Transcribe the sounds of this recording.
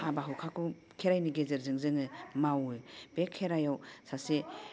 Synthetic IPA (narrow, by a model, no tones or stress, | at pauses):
abaɦuwkʰakʰu | kʰeɾajniɡezeɾzɯŋzɯŋɯmawɯb̥ekʰːeɾajawsase